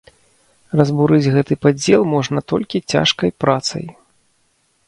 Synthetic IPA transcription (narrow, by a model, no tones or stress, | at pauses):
rɐzbuɾɨd͡zʲɣɛt̪ɨpad͡zʲɛlˠmɔʐnɐt̪ɔlʲkʲit͡sʲa̰ʂkɐjpɾat̪sɐ̰j